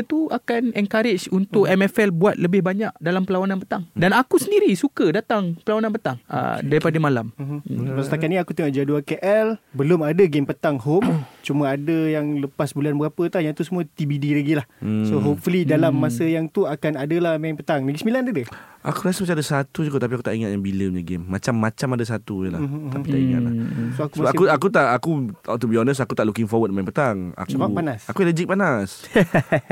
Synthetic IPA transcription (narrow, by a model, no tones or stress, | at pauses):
t̪uakanɛŋkaɾɪd͡ʒunt̪ʊkɛmɛfɛlbuat̪̚ləbɪhbaɲakdalampəlawananpət̪aŋdanakusəndiɾisukədat̪aŋpəlawananpət̪aŋə̰daɾipadamala̰m̩ast̪akat̪niakut̪əŋɔʔd͡ʒaduakeʔɛlbəlʊmadəɡempət̪aŋɦomt͡ʃumaadəjaŋləpasbulanbɾapət̪ahjaŋt̪usəmũat̪ibidilaɡilah̩soɦop̚fulidalamːasəjaŋt̪uakanadəlahmɛmpət̪aŋlaɡisəmilanadəʔa̰kuɾasəmat͡ʃamadasat̪ud͡ʒuɡaʔt̪ap̬iakut̪aʔiŋat̪̚jaŋbiləuɲəɡemːat͡ʃamːat͡ʃamadas̬at̪ujəlaapit̪aʔiŋa̰t̪̚lahsoakumakuakut̪aʔakuɔt̪ubiɔnəs̬akut̪aʔlukɪŋfɔwət̪̚maɛmpət̪aŋa̰ksəbapanasakujãlɛd͡ʒik̚panas